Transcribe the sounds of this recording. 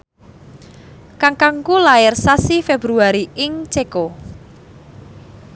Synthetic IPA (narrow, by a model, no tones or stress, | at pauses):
kaŋkaŋkulaɪrsasifebɾuaɾiɪŋt͡ʃeko